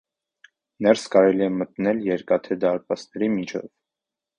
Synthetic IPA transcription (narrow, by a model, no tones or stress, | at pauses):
nɛɾskɑɾɛliɛmət̪nɛljɛɾkɑt̪ʰɛd̪ɑɾpɑsnɛɾimit͡ʃʰɛ̰v